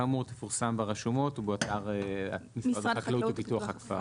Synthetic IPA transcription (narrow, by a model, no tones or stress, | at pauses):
amuʁt̪efuʁsambeʁeʃumo̞tubeat̪aʁeamisadklupituaχakfa